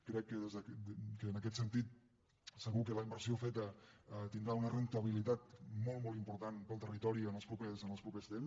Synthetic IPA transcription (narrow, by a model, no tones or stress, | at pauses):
kɾɛkːəðezðəkənəkɛt̪sənt̪it̪̚ | səɣukələimbəɾsiofet̪əət̪ind̪ɾaunərənt̪əβ̞ilit̪at̪mɔlˠmɔlˠimpuɾt̪anpəlˠt̪ərit̪ɔɾiənəlˠspɾupɛsənəlˠspɾupest̪ems